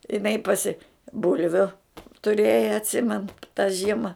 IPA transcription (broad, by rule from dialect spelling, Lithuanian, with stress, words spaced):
ɪˈnɐɪ pɐˈsʲɪ ˈbʊlʲʋʲʊ tʊˈrʲeːjɛ ɐtʲˈsʲɪmʲɛnʊ tɐ ˈʒʲiɛmɐ